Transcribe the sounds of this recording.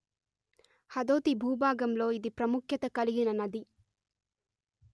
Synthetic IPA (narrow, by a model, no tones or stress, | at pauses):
hɐd̪oːt̪ibʱuːbʱaːɡɐmlo̞ːid̪ipɾɐmukʰjɐt̪ɐkɐliɡinɐnɐd̪i